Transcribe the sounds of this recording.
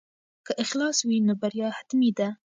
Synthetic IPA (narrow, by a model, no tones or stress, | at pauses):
kəʔɪxlɑswinobaɾjɑhat̪mid̪a